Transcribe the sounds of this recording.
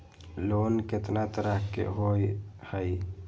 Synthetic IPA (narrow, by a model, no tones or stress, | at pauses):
loːnket̪nat̪əɾahkːḛɦojhaj